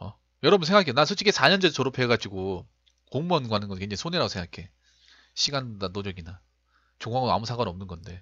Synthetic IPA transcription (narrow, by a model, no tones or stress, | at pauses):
ʌ̰ | jʌɾʌbunsʰe̞ŋɡakʰenansʰot͡ɕʰikesʰaɲʌnd͡ʑʌsoɾopʰeɡad͡ʑiɡo | koŋmuanɡɦanɯnɡʌkeŋɲd͡ʑaŋisʰoneɾaɡosʰeŋɡakʰe̞ | ɕʰiɡandanod͡ʑʌɡina | t͡ɕoŋaŋɯa̰musʰaŋɡaɾiʌmnɯnɡʌnde̞